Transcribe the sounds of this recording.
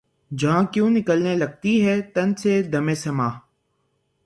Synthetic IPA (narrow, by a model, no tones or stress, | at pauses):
d͡ʒɐɦãːkjõːnɪkəlneləɡ̚t̪iɦɛːt̪ənseːd̪əmẽːsəmaː